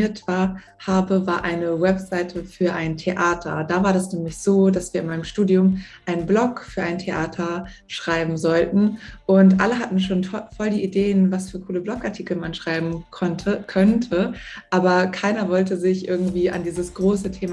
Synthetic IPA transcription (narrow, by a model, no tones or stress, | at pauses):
ɐtv̥aːɐ | haːbəvaːɐʔaɪnəwɛpz̥aɪtʰəfyːɐʔaɪntʰeʔaːtʰɐ̰daːvaːɐdasnɛːmlɪçz̥oːdasv̥iːɐɪnmaɪnəmʃtuːdiʊmʔaɪnblɔkfyːɐʔaɪntʰeʔaːtʰɐ | ʃʁ̥aɪbm̩zɔltn̩ʔʊntʔa̰ləɦatn̩ʃoːnɔfɔldiːʔideːənvasfyːɐkʰuːləblɔkaɐtʰiːkl̩manʃʁ̥aɪbm̩ | kʰœntʰəʔaːbɐkʰaɪnɐvɔltəzɪçʔɪɐɡŋ̩tv̥iːʔa̰ndiːzəsɡ̥ʁoːsətʰeːm